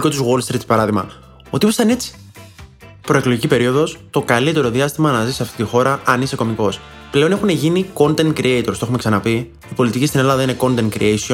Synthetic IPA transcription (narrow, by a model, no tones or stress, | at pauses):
kot̪uzɣwo̞lst̪ɾit̪spɐɾɐðimɐ̰ | o̞t̪iost̪ɐne̞t͡si̥ | pɾo̞eklo̞ʝicipe̞ɾio̞ðo̞st̪o̞kɐlit̪e̞ɾo̞ðiɐst̪imɐnɐzisɐft̪it̪ixo̞ɾɐɐniseko̞miko̞s | ple̞o̞nexune̞ʝiniko̞nt̪ent̪̚kɾiejt̪oɾst̪oume̞ksɐnɐpi | ipo̞lit̪icist̪ine̞lɐðɐine̞ko̞nt̪ent̪kɾḭejsion